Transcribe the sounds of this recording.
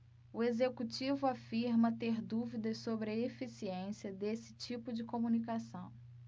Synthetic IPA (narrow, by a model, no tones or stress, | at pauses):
ʊezekut͡ʃivʊafiɾmɐt̪eɾd̪uvid̪ɐssobɾɪefisiẽsiɐd̪esɪ̥t͡ʃipʊd͡ʒɪkomunikasɐ̃w̃